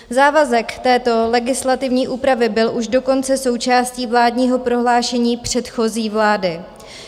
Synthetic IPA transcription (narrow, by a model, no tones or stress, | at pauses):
zaːvazɛkt̪ɛːt̪o̞lɛɡɪslat̪ɪvɲiːʔuːpɾavɪbɪlʔuʃdo̞ko̞nt͡sɛso̞wt͡ʃaːsciːvlaːdɲiːɦo̞pɾo̞ɦlaːʃɛɲiːpr̝̥ɛt̪xo̞ziːvlaːdɪ